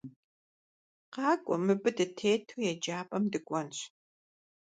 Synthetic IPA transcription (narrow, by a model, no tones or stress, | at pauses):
qɑːkʷʼɔmɨbɨdɨtʰeːtʰoːjɛd͡ʒaːpʼɐmdɨkʷʼɔnɕ